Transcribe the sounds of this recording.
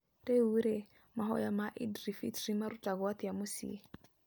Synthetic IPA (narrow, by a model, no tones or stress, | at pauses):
tʼeuɾe | maɦɔ̰jamaʔidrifḭtrimaɾutʼaɡwat̪ijamʊsḭ